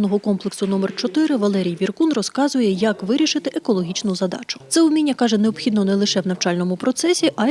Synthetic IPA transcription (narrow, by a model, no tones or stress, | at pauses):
nɔɦɔkɔmplˠɪksʊnɔmɛrt͡ʃɔt̪ɪɾɪʋɐlˠɛɾʲijʋʲirkunrɔskɑzʊjɛjɐkʋɪɾʲiʃɪt̪ɪʔekɔlˠɔɦʲit͡ʃnʊzɐd̪ɑ̰t͡ʃʊ̥t̪sɛʊmʲinʲːɐkɑʒɛneɔbxʲid̪nɔnɛlˠɪʃɛwnɐwt͡ʃɑlʲnɔmʊpɾɔt̪sɛsʲiʔɐ